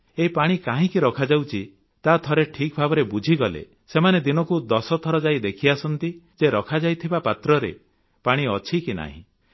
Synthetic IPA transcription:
epaɽ̃ikaɦĩkiɾɔkʰad͡ʒawt͡ʃʰi | t̪at̪ʰɔɾeʈʰik̚bʱabɔɾebud͡ʒʱiɡɔlḛ | semaned̪inɔkud̪ɔsɔt̪ʰɔɾɔd͡ʒajd̪ekʰiasɔnt̪id͡ʒeɾɔkʰad͡ʒajt̪ʰibapat̪ɾɔɾḛ | paɽ̃iɔt͡ʃʰikina̰ɦḭ̃

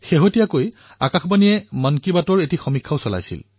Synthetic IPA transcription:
xeɦotijakoj | a̰kaxbanijɛmankibatɔɹetixɔmikʰːaʊsɔla̰jsḭl

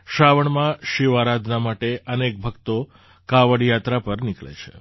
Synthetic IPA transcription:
ʃaʋəɳmãʃiʋaɾad̪ʱnamaʈeʔənek̚bʱəkt̪o | kaʋəɽjat̪ɾapəɾnɪkɭḛt͡ʃʰḛ

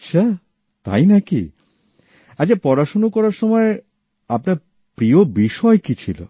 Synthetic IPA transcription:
ɕʰa | t̪a̰jnakḭ | at͡ɕʰapɔɾaʃonokɔɾaɾʃɔmɔe | apnaɾ | pɾiobiʃɔekit͡ɕʰilo̰

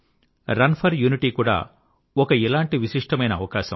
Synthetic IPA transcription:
ɾɐnpʰɐɾjuːniʈiːkuːɽa̰ː | ɔkɐɛlaːɳʈiʋiʃiʂʈɐmɐjnɐːʋɐkaːʃɐm

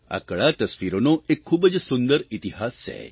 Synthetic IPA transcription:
a̰kəɭat̪əsʋiɾonoekʰːuːbəd͡ʒsund̪əɾit̪iɦast͡ʃʰɛ̰

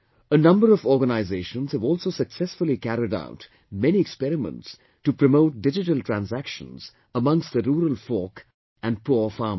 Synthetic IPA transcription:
ənʌ̃mbəɾɔvɔːɡənaɪzeːʃə̃nz̥həvɔːlˠsosəksɛsfʊlikæɾɪda̰ʊt | mɛniɛkspɛɾɪmə̰̃nts | tupɾəmoʊʈ̚ɖɪd͡ʒɪʈəltɹæ̃nzækʃə̰̃nz̥ | əmʌ̃ŋstðəɾuːɾəlfɔːk | æ̃n̚pʰufɑːm

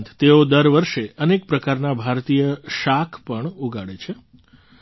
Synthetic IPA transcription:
nt̪ʰt̪eod̪əɾʋəɾʃeənek̚pɾəkaɾnabʱaɾt̪ijəʃakʰpəɳuɡʱaɽet͡ʃʰe

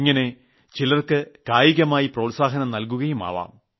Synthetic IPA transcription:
ŋːɐne̞ | t͡ɕilɐrkɨkaːjiɣɐmaːjiproːlsaːɦɐnɐmnɐlkuɣɐjuma̰ːʋa̰ːm

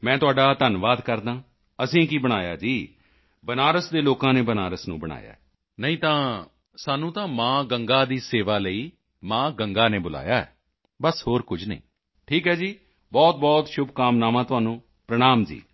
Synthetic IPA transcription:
mɛ̃ːt̪ʊaːɖaːt̪ənʋaːd̪kəɾd̪ãː | əsĩːkibəɽ̃aːja̰ːd͡ʒiː | bənaːɾəsd̪eːloːkãːneːbəna̰ːɾəsnũːbəɽ̃a̰ːja̰ː | nəĩːt̪ãː | saːnũːt̪ãːmãːɡəŋɡaːd̪iːseːʋaːləiː | mãːɡəŋɡaːneːbʊla̰ːjaːɛ̰ː | bəsɦoːɾkʊd͡ʒnḭ̃ː | ʈʰiːkɦɛːd͡ʒiː | bɔːt̪̚bɔːt̪ʃʊbkaːmnaːʋãːt̪ʊaːnũː | pɾəɽ̃aːmd͡ʒḭː

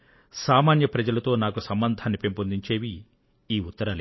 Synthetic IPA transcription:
saːmaːnjɐpɾɐd͡ʒɐlɐt̪o̞ːnaːkusɐmbɐnd̪ʱaːnːipempond̪iɲt͡ʃe̞ːʋi | iːut̪ːɐɾaːle

